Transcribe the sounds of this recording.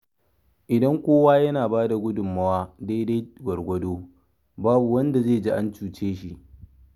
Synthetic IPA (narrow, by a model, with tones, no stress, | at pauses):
ʔɪ˨dɐ˦ŋkʷoː˦waː˦jɐ˦naː˨baː˦da˨ɡʷʊ˦dʊ˨mːɐ˦waː˦daː˦de˦jɡʷɐ˨ɽɡʷɐ˦doː˦ | baː˦bu˨wɐ˦nda˨zeː˦˨d͡ʒi˦ʔa˦nt͡ʃuː˨t͡ʃeː˦ʃi˦˨ʔ